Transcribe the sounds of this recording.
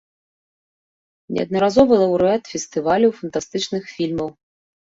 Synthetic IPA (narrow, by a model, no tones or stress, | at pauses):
nʲʔɛ̰ɐ̰d̪nɐɾazɔvɨlˠɐwɾɛt̪fʲɛst̪ɨvalʲuwfɐnt̪ast̪ɨt͡ʂnɨxfʲilʲmɐw